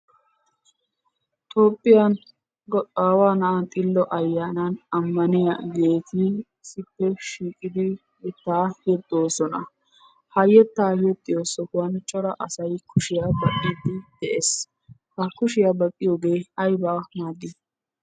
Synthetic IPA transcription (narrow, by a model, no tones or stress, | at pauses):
t̪ʰo̞ːpʼːɪjɐn | ɡɔaːwaːnɐʔɐnt̪ʼɪlːɔʔɐjːaːnɐnɐmːɐnɪjɐ̰ɡe̞ːt̪ɪ | sɪpːɛʃiːkʼɪd̪ɪ | jɛt̪ːaːjɛt̪ʼːoːsɔnɐ̰ | hɐjːɛt̪ːaːjɛt̪ʼːɪjoːsɔkʊɐnt͡ʃʼɔɾɐʔɐsɐjkʰʊʃɪjabɐkʼːɪd̪ːɪd̪̥ɛʔeːs | hɐkʊʃɪjabɐkʼːɪjoːɡe̞ːɐjbaːnaːɡɪ